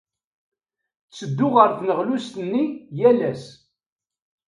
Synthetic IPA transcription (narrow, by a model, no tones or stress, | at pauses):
t͡sːəd̪ːʊʁəɾθnəʁlʊst̪ənːijælæs